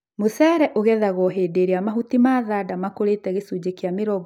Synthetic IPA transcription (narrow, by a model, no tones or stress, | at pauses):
mosɛɾɛʔoɣɛðaɣɔɦeːdeɾeamaɦutimaːðaːdamakoɾeːtɛɣesud͡ʑekeameɾɔɡ